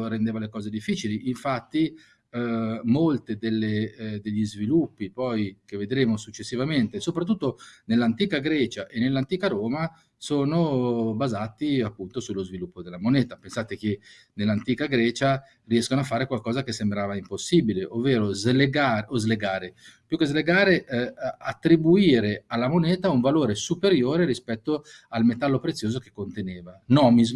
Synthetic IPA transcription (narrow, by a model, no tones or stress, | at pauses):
ɾend̪eːvalekɔːzed̪ifːiːt͡ʃiliʔiɱfat̪ːi | molt̪ed̪elːed̪eʎːizvilupːipɔjk̟evːed̪ɾeːmosut͡ʃːesːivament̪esopɾat̪ːut̪ːonelːant̪iːkaɡɾɛːt͡ʃaʔenːelːant̪iːkaɾoːma | soːnobazat̪iapːunt̪osulːozvilupːod̪elːamonɛːt̪apensaːt̪ek̟e | nelːant̪iːkaɡɾɛːt͡ʃa | riɛskonoafːaːɾekwalkɔːzak̟esːembɾaːvaimposːiːbileʔovːeːɾozleɡaːɾʔozleɡaːɾepjukezleɡaːɾeʔat̪ːɾibuiːɾealːamonɛːt̪auɱvaloːɾesupeɾjoːɾeɾispɛt̪ːoalmet̪alːopɾet̪sːjoːzoke̥kːont̪eneːvanɔːmiz